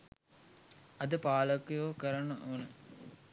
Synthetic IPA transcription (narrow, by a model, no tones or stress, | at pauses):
ɐd̪əpaːləkːjokəɾanːəʔunə